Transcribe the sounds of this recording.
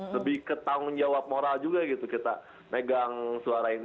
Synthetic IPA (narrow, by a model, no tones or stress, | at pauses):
ləbɪhkət̪aʊnd͡ʒawap̚moɾald͡ʒuɡaɡit̪ukit̪a̰ | meɡaŋsuaɾain